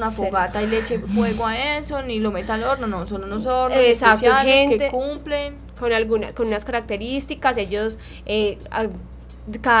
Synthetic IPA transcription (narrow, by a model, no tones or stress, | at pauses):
nafoɣat̪ajle̞t͡ʃefwe̞ɣoaesonilomet̪aloɾnonosonunos̬oɾnosesaksoaheenket̪ekumplen | konalɡunakonunaskaɾak̚t̪e̞ɾist̪ikase̞ʝos | ea | ka